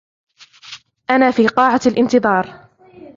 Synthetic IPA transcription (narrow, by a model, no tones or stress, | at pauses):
ʔanaːfiːqɑːʕalʔɪnt̪ɨðˤɑːɾˤ